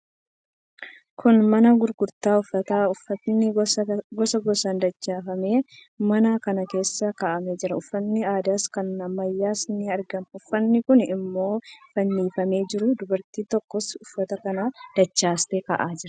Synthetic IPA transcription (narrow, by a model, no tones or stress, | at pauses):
kʰʊnmɐnɐɡʊɾɡʊɾt̪aːʊfːɐt̪aːʊfːɐt̪nɪɡɔsɐɡɔsɐnd̪ɐt͡ʃːaːfɐme̞ː | mɐnaːkɐnɐke̞ːsːɐkɐʔɐmɛd͡ʒɪɾɐʊfːɐnːɪaːd̪aːskɐnɐmːɐjːaːsnɪɐɾɡɐnʊfːɐnːɪkʊnɪmːo̞ːfɐnːiːfɐme̞ːd͡ʒɪɾʊd̪ʊbɐɾt̪iːt̪ɔkːɔsʊfːɐt̪ɐkɐnaːd̪̥ɐt͡ʃːaːst̪eːkɐ̰ʔaːd͡ʒɪɾɐ